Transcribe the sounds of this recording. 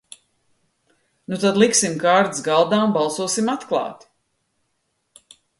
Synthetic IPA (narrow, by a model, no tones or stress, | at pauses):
nut̪ad̪lˠiksimkaːɾd̪sɡalˠd̪aːmbɑlˠsuɔsimat̪klˠɑ̰ːt̪i̥